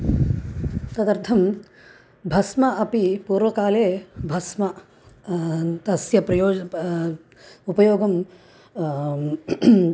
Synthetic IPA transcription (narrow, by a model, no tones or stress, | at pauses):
t̪ɐd̪ɐɾt̪ʰɐm | bʱɐsmɐɐpipuːɾʋɐkaːleːbʱɐsmɐ | t̪ɐsjɐpɾɐjoːd͡ʒ | upɐjoːɡɐm